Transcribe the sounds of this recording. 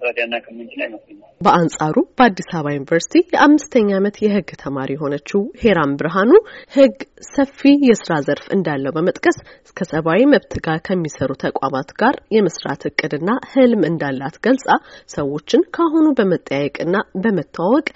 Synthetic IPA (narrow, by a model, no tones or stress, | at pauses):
əd̪anːakʰəmːɨt͡ʃilajməsɨabəʔansʼaɾub̥əad̪ːisaβajunivəɾsi̥t̪ʰijɛʔamːɨst̪ʰəɲːamət̪jɛɦɨɡːt̪ʰəmaɾijɛɦo̞nət͡ʃːɪhe̞ɾambɨɾɦanuhɨɡsəfːijɛsɨɾazəɾfɨ̰nd̪alːəwbəmət̪ʼkʼəs | kʰəsəβawiməβt̪ʰɨɡaɾkʰəmːisəɾut̪ʰəkʷʼa̰mat̪ɡ̥aɾjɛmɨsɾa̰t̪ɨkʼːɨd̪ɨnːahɨlmɨnd̪alːat̪ɡəlsʼasəwːo̞t͡ʃːɪnkʰaɦunubəmət̪ʼːəjajɛkʼɨnːabəmət̪ʰːaawɔkʼ